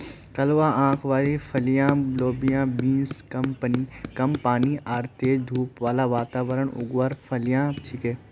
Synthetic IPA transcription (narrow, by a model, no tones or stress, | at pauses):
kɐlʋaːʔãːkʰʋaːɾifʰɐlijãːbloːbijãːbĩːnskɐmpənikɐmpaːniʔaːɾt̪eːd̪ʱuːpʋaːlaʋaːt̪aːʋəɾəɳʊ̰ɡʋaɾfʰɐlijãːt͡ʃʰikeː